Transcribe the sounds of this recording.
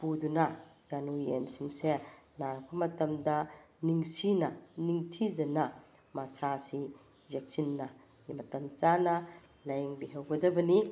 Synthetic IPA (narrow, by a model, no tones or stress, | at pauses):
pudunɐjanuḛnsiŋsenaɾpʰɐmɐtɐmdɐniŋsinɐniŋtʰizɐnɐ | masasi | zek̚sinːɐ | mɐtɐmt͡ʃanɐ | lɐjeŋbiɦɐwɡɐdɐbɐni